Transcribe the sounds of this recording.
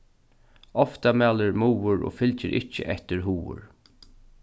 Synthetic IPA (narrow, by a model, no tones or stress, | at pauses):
ɔft̪amɛːləɹmuːʊɹo̰ːfɪlt͡ʃɪɾʔɪht͡ʃə̰ʔɛht̪ɪɾɦuːʊ̰ɹ